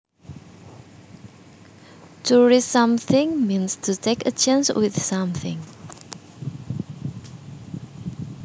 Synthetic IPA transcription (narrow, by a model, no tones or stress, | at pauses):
tʰuɹisãmθɪ̃ŋmĩnstʰutʰekə̰t͡ʃãnswɪ̰θsãmθɪ̰̃ŋ